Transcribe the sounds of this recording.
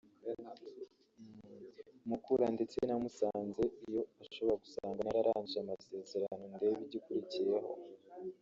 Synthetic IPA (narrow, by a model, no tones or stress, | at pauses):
mukuɾandet͡senamusaːnze̞ijo̞aʃo̞βo̞ɾaɡusaːŋɡanaɾaɾaːɲiamase̞ːze̞ɾano̞nde̞ːβiɟikuɾicije̞ɦo̞̰